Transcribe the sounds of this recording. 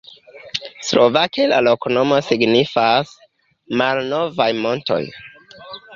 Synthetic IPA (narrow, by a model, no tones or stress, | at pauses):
slʔo̞vakela̰lokono̞mo̞siɡnifas | malno̞vajmo̞nto̞̰j